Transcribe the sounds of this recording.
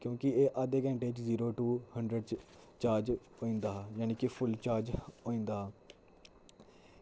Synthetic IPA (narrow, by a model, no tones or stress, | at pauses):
kjõːkɪeːʔaːd̪eːkɛ̃ːɳʈeːɪt͡ʃziːɾoːʈuːhəɳɖɾəɖt͡ʃ | t͡ʃaːɾd͡ʒɦoːĩːnd̪aːɦːjaːniːkɪpʰʊlt͡ʃaːɾd͡ʒoːĩːnd̪aːɦaː